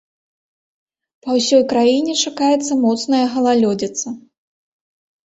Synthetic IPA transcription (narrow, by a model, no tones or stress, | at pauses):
pɐwsʲɔjkɾajinʲɛt͡ʂakajɛt̪sːɐmɔt̪snɐjɐɣɐlˠalʲɔd͡zʲit̪sɐ